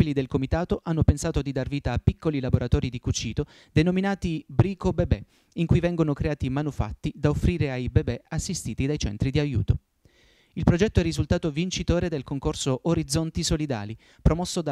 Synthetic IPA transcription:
ilid̪elkomit̪aːt̪oʔanːopensaːt̪od̪id̪arviːt̪aːpːikːolilaboɾʔat̪ɔːɾid̪ikut͡ʃiːt̪o | d̪enominaːt̪ibɾiːkobebɛ | iŋkujvɛŋɡonokɾeaːt̪imanufa̰t̪ːid̪aofːɾiːɾeajbebɛasːist̪iːt̪id̪ajt͡ʃɛ̰nt̪ɾid̪iajṵːt̪o | ilpɾod͡ʒɛt̪ːoɛrːizult̪aːt̪ovint͡ʃit̪oːɾed̪elkoŋkorsoʔːɾid̪zːɔnt̪isolid̪a̰ːli | pɾomɔsːod̪a

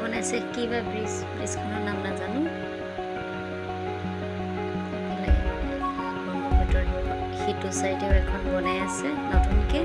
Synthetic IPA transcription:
bɔnajsɛkibabɹispɹiskʊnɔɹnamnazanʊ̃ | ɛlaɡɛɔ | bɔnɔbɔtɔɹiɔ | xitʊsaɹitɛbɛkʰɔnbɔnajasɛnɔtunkɛ

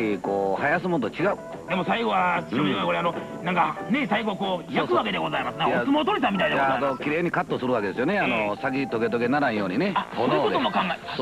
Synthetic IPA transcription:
ikoːhajas̬ɨmonot̪ot͡ɕiɡaɯ | d̪e̞mo̞saiɡo̞βaoiokoɾeano | nãŋkane̞saiɡo̞koːjakɯβake̞d̪e̞ɡo̞zaimasɨnãasɨmoːt̪oɾis̬ãmʲit̪aid̪janokʲiɾe̞ːɲ̟ikat̪ːosɨɾɯ̟βakee̞sɨjone̞anosaɡʲit̪o̞ɡe̞t̪oɡe̞naɾãɰ̃jo̞ːɲ̟ineaokod̪t̪omokãŋɡao

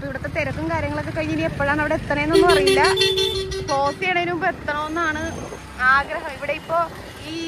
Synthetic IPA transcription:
poiʋiɽuɐt̪ːet̪eɾɐkːumkaːɾjɐŋːɐɭok̬ːɨkɐɻiɲːiniepːoːɭaːɳɐʋiɽe̞et̪ːɐneenːonːɨpɐrɐjilːɐ | po̞ːsijɐɳejnumpoet̪ːɐɳoːenːaːɳɨ | aːɡɾɐɦɐmiʋiɽe̞ipːo̞ː | iː

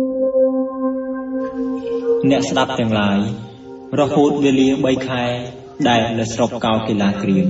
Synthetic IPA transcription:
nɛ̆əʔsɗap̚t̪ɛ̆əŋlaəj | rɔhoːt̪̚ʋeːəliəɓəjkʰaɛ | ɗaɛlnɨwsrokːaɔlkeːlaːkriəm

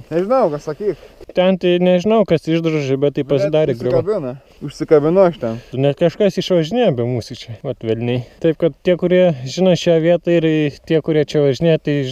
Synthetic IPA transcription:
nʲɛʒʲɪnɐʊkɐsɐkʲiːkt̪ʲɛnt̪ʲɪnʲɛʒʲɪnɐʊkɐsɪʒd̪ɾoʒʲɪbʲɛt̪iɪpɐsʲɪd̪ɑːɾʲeɡɾɪbʲɪnɐ | ʊʃʲsʲɪkɐbʲɪnʊɐʃt̪ʲɛnʊnʲɛkɐʃkɐsɪʃʋɐʒʲɪnʲeːjoːbʲɛmuːsʲit͡ʃʲɛʋɐt̪ʋʲɛlʲnʲɛɪt̪ɐɪpkɐt̪̚t̪ʲiɛkʊɾʲiɛʒʲɪnɐʃʲæːʋʲiɛt̪ɐɪɾt̪ʲiɛkʊɾʲiɛt͡ʃʲɛʋɐʒʲɪnʲeːjɛt̪ɐɪ

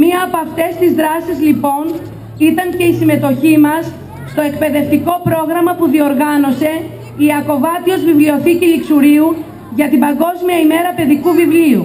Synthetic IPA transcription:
miɐːpoɐft̪e̞st̪izðɾɐsizlipo̞n | it̪ɐŋce̞isime̞t̪o̞çimɐsː | t̪o̞e̞k̚pe̞ðe̞ft̪iko̞pɾo̞ɣɾɐmɐpuðio̞ɾɣɐno̞se̞ | iɐko̞vɐt̪io̞zvivlio̞θiciliksuɾiu | ʝɐt̪ibɐŋɡo̞zmiɐime̞ɾɐpe̞ðikuvivliu

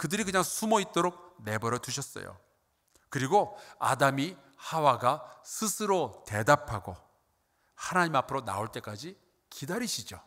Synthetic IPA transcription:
kɯdɯɾikɯɲaŋsʰumʌit̚t͈oɾok̚ne̞bʌɾjʌtuɕʰʌs͈ʌ̰jo̰ | kɯɾiɡoa̰dami | hawaɡasʰɯsʰɯɾote̞dapʰaɡo | hanaɲimapʰɯɾona̰oɭt͈e̞k͈ad͡ʑi | kidaɾiɕʰid͡ʑo

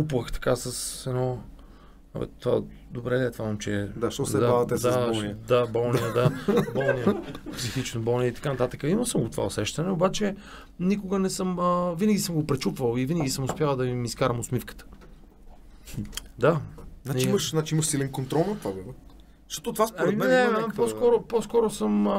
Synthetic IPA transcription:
kupvəxt̪ɐ̥kasəsɛnɔ̰ | vɛ̰t̪va̰ | d̪obɾɛd̪ɛt̪vaəmt͡ʃɛd̪aʃt̪ɔsɛd̪aavt̪ɛd̪abɔlˠniəd̪abɔlˠnijəd̪abɔlˠnijpsixit͡ʃnobɔlˠnijəit̪ɐ̥kanɐt̪at̪əkəiməsəmɡot̪o̥va̰osɛʃt̪ɐnɛobat͡ʃɛ | nikʊɡənɛsɤməvinəɡʲisɤmɡopɾɛt͡ʃupvəlˠivinəɡʲisəmʊspʲjawˠd̪ɐvimiːskaɾəmʊsmifkə̥t̪ə̥ | d̪aznat͡ʃiiməʃzat͡ʃiiməʃsilɛnkont̪ɾɔlˠnɐt̪vabɛb | ʃt̪ɔt̪ot̪vasoɾɛimɛnɛpɔskɔɾʊpɔskɔɾʊsəm

